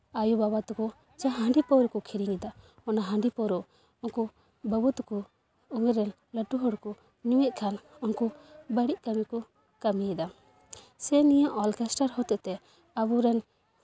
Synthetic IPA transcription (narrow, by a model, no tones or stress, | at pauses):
ajubaβat̪ukɔ | t͡ʃaɦãɳɖipɔɾɔkɔkʰiɾiŋɛd̪a | ɔnaɦãɳɖipɔɾɔ | ɔŋku | bəbut̪kɔ | uŋɛɾɛn | ləʈuɦɔɽkɔ | ɲuwɛʔ̚kʰanɔnkubəɽiʔ̚kəmikɔ | kamiɛd̪a | sɛnijaʔɔlkɛsʈaɾɦɔt̪ɛt̪ɛ | abuɾɛn